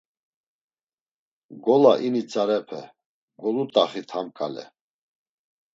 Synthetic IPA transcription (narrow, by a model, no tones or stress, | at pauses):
ɡɔlaʔinit͡sʼaɾɛpʰɛ̰ | ɡɔlut̪ʼaχit̪ʰamkʼalɛ̰